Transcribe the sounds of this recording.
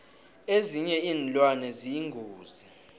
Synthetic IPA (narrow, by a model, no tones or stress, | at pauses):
eziɲɛinlwanɛzijiŋɡʱuːzi